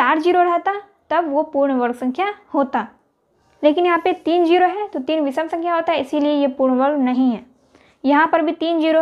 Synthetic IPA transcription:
t͡ʃaːɾd͡ʒiːɾoɾɐɦt̪a | t̪ɐbʋopuːɾɳʋɐɾɡsɐ̃ŋkʰjahoːt̪aː | leːkɪnjɐɦãpet̪iːnd͡ʒiːɾoɦɛt̪ot̪iːnʋɪsəmsɐ̃ŋkʰjaɦoːt̪aɦɛɪsiliejepuːɾɳʋəɾɡnɐɦĩɦɛː | jɐɦãpɐɾbʱit̪iːnd͡ʒiːɾo

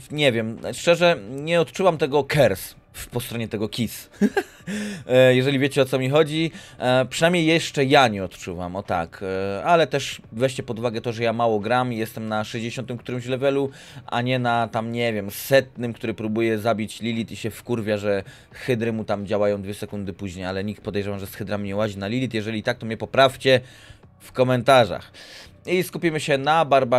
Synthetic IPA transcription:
ɲɛvʲjɛmʂt͡ʂɛʐɛɲɛɔt̪t͡ʂuvamt̪ɛɡɔkʰɛɾs | fpɔst̪ɾɔɲɛt̪ɛɡɔkʲis | jɛʐɛlʲivʲjet͡ɕɛɔt̪sɔmʲixɔd͡ʑipʂɨnamɲejɛʂt͡ʂɛjaɲɛɔt̪t͡ʂuva̰mɔt̪a̰kalɛt̪ɛʂvɛɕt͡ɕɛpɔd̪uvaɡɛt̪ɔʐɛjamawɔɡɾamijɛst̪ɛmnaʂɛʑd͡ʑeɕɔnt̪ɨmk̚t̪uɾɘmʑlɛvɛlu | ʔa̰ɲɛnat̪amɲɛvʲjɛmsɛt̪̚nɘmkt̪uɾɘpɾubujɛzabʲit͡ɕlʲilʲit̪iɕɛfkuɾvʲjaʐɛ | xɘd̪ɾɘmut̪amd͡ʑawajɔ̃w̃d̪vʲjɛsɛkund̪ɘpuʑɲejalɛɲik̚t̪̚pɔd̪ɛjʐɛvamʐɛsxɘd̪ɾamɲɛwaʑinalʲilʲit̪jɛʐɛlʲit̪ak̚t̪ɔmɲɛpɔpɾaft͡ɕɛ | fkɔmɛnt̪aʐa̰x | iskupʲimɘɕɛnabaɾba

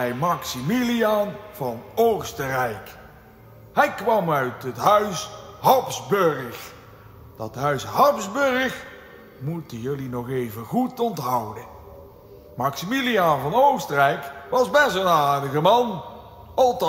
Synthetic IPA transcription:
ɛjmɑksimilianv̥ɑnowstərɛjk | hɛjkʋɑmœɥtətɦœɥsɦɑpzbørəx | d̥ɑtɦœɥsɦɑpzbøɹəx | mutəjɵlinɔχejvəχutɔntɦʌwdə | mɑksimilijanvɑnowstərɛjkʋɑzbɛsənaːɹdəɣəmɑn | ɑlˠt

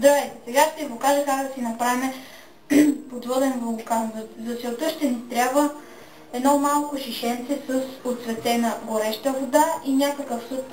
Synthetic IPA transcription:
zd̪ɾɐvɛjt̪ɛsɛɡaʃt̪ɛiɡokaʒəkakd̪ɐsinɐpɾavimɛ | pod̪vɔd̪ɛnblˠokanzzɐt̪sɛlˠt̪əʃt̪ɛnist̪ɾʲjabvə | ɛd̪nɔmalˠkʊʃiʃɛnt̪sɛsəsot̪svɛt̪ɛnəɡoɾɛʃt̪əvod̪aʔinʲakəkəfsut̪̚

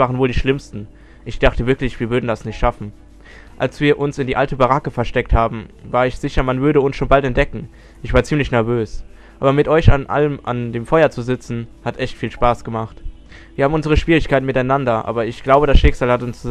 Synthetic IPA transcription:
vaːʁənvoːldiːʃlɪmstn̩ | ʔɪçd̥aχtəvɪɐklɪçv̥iːɐvʏɐdn̩dasnɪçtʃafn̩ | ʔalsv̥iːɐʔʊnsɪndiːʔaltəbaʁakəfɛɐʃtɛk̚thaːbm̩vaːɐɪçz̥ɪçɐmanvʏɐɾəʊnsʃoːnbaltɛnt̚d̥ɛkŋ̩ | ʔɪçv̥aːɐt͡siːmlɪçnɛɐvøːs | ʔaːbɐmɪtʔɔʏçanʔa̰ləmʔa̰ndeːmfɔʏɐt͡suzɪt͡sn̩hatʔɛçtfiːlʃpaːsɡ̥əmaχt | viːɐhaːbm̩ʔʊnzəʁ̞əʃv̥iːʁɪçkʰaɪtnmɪtaɪnandɐʔa̰ːbɐɪçɡ̥laʊbədasʃɪkz̥aːlhatʊnst͡su

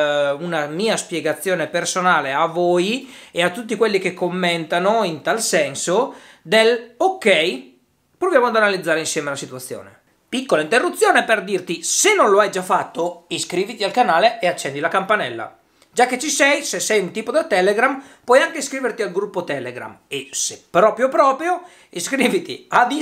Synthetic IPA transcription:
unamiːaspjeɡat̪sːjoːnepersonaːleavoːjeat̪ːut̪̬ːikwelːikekʰːomːent̪anoint̪alsɛnsod̪elokːɛj | pɾovjaːmoad̪analid̪zːaːɾeinsjɛːmelasit̪uat̪sːjo̰ːnḛ | pikːolaint̪erːut̪sːjoːneperd̪irt̪isenːõnloajd͡ʒafːat̪ːoiskɾiːvit̪ialkanaːleʔeat͡ʃːɛnd̪ilakampanɛlːa̰ | d͡ʒakːet͡ʃːisɛjsesːɛjunt̪iːpod̪at̪ɛleɡɾampwɔjaŋkeskɾiːvert̪ialɡɾupːot̪ɛleɡɾa̰mesepɾɔːpɾjopɾɔːpɾjo | iskɾiːvit̪ḭad̪i

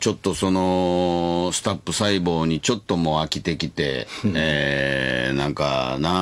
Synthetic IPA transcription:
t͡ɕo̞t̪ːo̞so̞no̞ | sɨ̥t̪apːɯ̟saibo̞ːɲ̟it͡ɕo̞t̪ːo̞mo̞akʲit̪e̞kʲit̪e̞̰ | nãŋka̰na

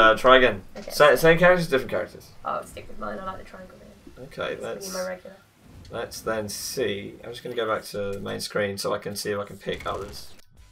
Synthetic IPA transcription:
ʌtʰɹ̥aɪɡə̃nksesẽɪ̃mkʰaɹɪk̚təzdɪfɹə̃nkʰaɹɪ̰k̚tʰə̰z̥ʔo̰stɪkwɪðmãɪ̃naɪlaɪʔ̚ðətʰɹ̥aɪ̃ɡˠmɪnoʊkʰḛɪlətsaɹɛɡjlə | lətsðə̃nsiːã̰ɪ̃md͡ʒʌsɡ̥ʌnəɡoʊbak̚tʰəðəmẽɪ̃nskɹĩːnsoʊaɪkʰə̃nsiɪfaɪkʰə̃n̩pʰɪkʰʌ̰ðəz̥

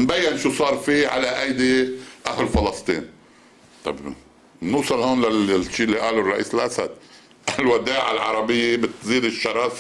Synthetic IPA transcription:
nbajːɪnʃuːsˤɑːɾˤfiʕa̰laʔajd̪iʔahɪlfɑlɑst̪ˤḭːn | t̪ˤɑ̰b | nuːsˤɑlhoːnlaʃːiːɪlːiʔaːlurˤːɑʔiːsɪlʔasa̰d̪̚ | ʔalwad̪aːʕalʕɑ̰ɾˤɑbɪjːebɪt̪ziːd̪ɪʃːɑɾˤɑːf

